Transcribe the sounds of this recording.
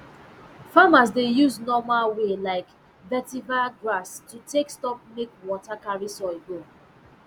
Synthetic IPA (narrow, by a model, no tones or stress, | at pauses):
famas̬dejuznɔmalwelaɪk | bɛtibaɡɹastutʰekstɔp̚mekwɔtakaɹisɔeɡo